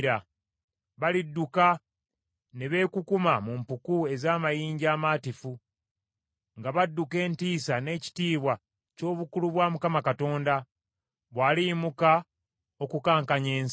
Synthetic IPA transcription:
ɾa | βalidːuka | neβe̞ːkukumamumpukue̞zaːmajiːɲɟaːmaːtifu | ŋɡaβadːuke̞ːntiːsane̞ːci̥tiːβwa | co̞ːβukuluβwaːmukamakato̞ːnda | βwaːlimuka | o̞kukaːŋkaɲe̞ːns

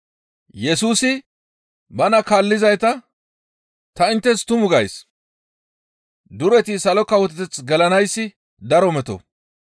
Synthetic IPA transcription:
jɛsuːsɪ | bɐnɐkaːlːɪzɐjt̪ɐ | t̪ɐɪnt̪ːɛst̪ʊmʊɡɐjs | d̪ʊɾɛt̪ɪsɐlɔkːɐwɔt̪ɪt̪ɛt͡sɡɐlɐnɐjsːɪ | d̪ɐɾɔmɛt̪ɔ̰

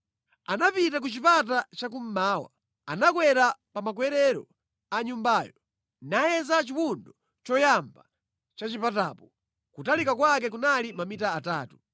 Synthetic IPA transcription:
anapitak̬ut͡ʃipat̬at͡ʃak̬um̩maːwa̰ | anakwɛɾapamak̬wɛɾɛɾɔ̰ | aɲumbaːjɔ | najɛzat͡ʃiwundɔ | t͡ʃɔjamba | t͡ʃat͡ʃipataːpɔ | kutalikakwak̬ɛk̬unalimamitaːtaːtu

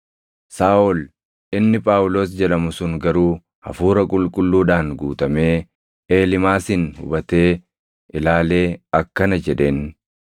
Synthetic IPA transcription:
saːʔɔl | ʔɪnːɪpʼaːwʊloːs̬d͡ʒɛlɐmʊsʊŋɡɐɾuː | hɐ̰fuːɾɐkʼʊlkʼʊlːuːᶑaːnɡuːt̪ʼɐme̞ː | ʔeːlɪmaːsɪnhʊ̰bɐt̪eː | ʔɪlaːle̞ːɐkːɐnɐd͡ʒɛᶑeːn

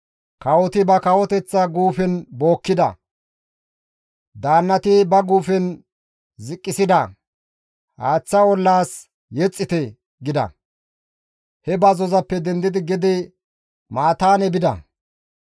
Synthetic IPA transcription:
kɐwɔt̪ɪbɐkɐwɔt̪ɛt͡sːɐɡuːfɛnbo̞ːkːɪd̪ɐ̰ | d̪aːnːɐt̪ɪbɐɡuːfɛn | zɪkʼːɪsɪd̪ɐ | haːt͡sːɐwɔlːaːs | jɛt͡sʼːɪt̪ɛ | ɡɪd̪ɐ̰ | hɛbɐzɔzɐpːɛd̪ɛnd̪ɪd̪ɪɡɪd̪ɪ | maːt̪aːnɛbɪd̪ɐ̰

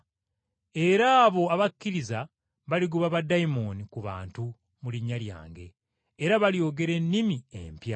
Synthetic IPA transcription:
e̞ɾaːβo̞aβakːiɾiza | βaliɡuβaβadaimo̞nikuβa̰ːntu | muliɲːalja̰ːŋɡe̞ː | ɾaβaljo̞ːɡe̞ɾe̞nːimiḛmpja

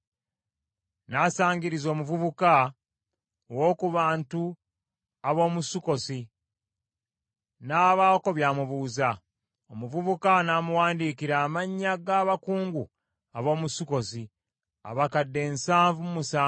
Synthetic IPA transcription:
nasaːɲɡiɾizo̞ːmuvuβuka | owo̞ːkuβaːntu | aβo̞ːmusuko̞si | naːβaːko̞βjaːmuβuːza | omuvuβukanaːmuwaːndiːkiɾaːmaɲːaɡaːβakuːŋɡu | aβo̞ːmusuko̞si | a̰βakadːe̞ːnsaːɱvumumusaː

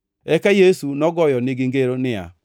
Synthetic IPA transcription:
ɛkɛjesunɔɡɔjɔniɡiŋ̩ɡeɾonɪa̰

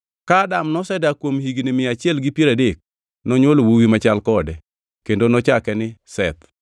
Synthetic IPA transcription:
kadamnɔsɛdakwomhiɡnɪmɪat͡ʃɪɛlɡɪpjeɾadek̚ | nɔɲwolowuwimat͡ʃalkɔdɛ | kendonɔt͡ʃakɛnɪsɛt̪

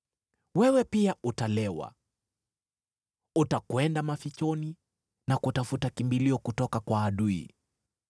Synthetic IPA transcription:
wɛwɛpiaʔutalɛwa̰ | utakwɛndamafit͡ʃɔni | nakutafutakimbiliɔkutɔkakwaːɗuḭ

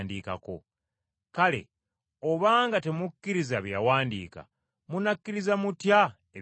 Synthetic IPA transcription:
ndiːka̰ko̞̰ | kale̞̰ | oβaːŋɡate̞mukːiɾizaβjawaːndḭːka̰ | munakːiɾizamutja | e

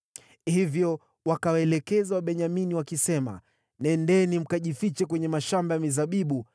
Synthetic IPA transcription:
hivjɔ | wakawaɛlɛkɛzawaɓɛɲaminiwakisɛma̰ | nɛndɛːnim̩kaʄifit͡ʃɛkwɛɲɛmaʃambajamizaɓiɓu

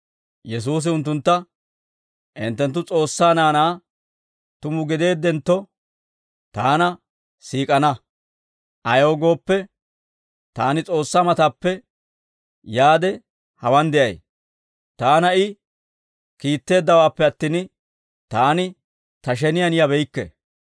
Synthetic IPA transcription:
jɛs̬uːs̬ɪʊnt̪ːʊnt̪ːɐ | ʔɪnt̪ːɛnt̪ːʊt͡sʼo̞ːsːaːnaːnaː | t̪ʊmʊɡɪd̪e̞ːd̪ɛnt̪ːɔ | t̪aːnɐ | siːkʼɐnɐ | ʔɐjo̞ːɡo̞ːpːɛ | t̪aːnɪt͡sʼo̞ːsːamɐt̪aːpːɛ | jaːd̪ɛ | hɐwɐnd̪ɛʔɐ̰j | t̪aːnɐɪ | kiːt̪ːe̞ːd̪ːɐwaːpːɛɐt̪ːiːn | t̪aːnɪ | t̪ɐʃ̬ɛnɪjɐnɪjɐbɛjkːɛ̰

